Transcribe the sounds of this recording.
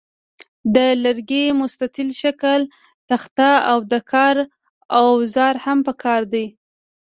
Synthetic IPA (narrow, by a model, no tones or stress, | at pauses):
d̪ələɾɡemʊst̪at̪ɪlʃakəl | t̪axt̪aawd̪əkʰɑɾ | awzɑɾhampəkʰɑɾd̪ij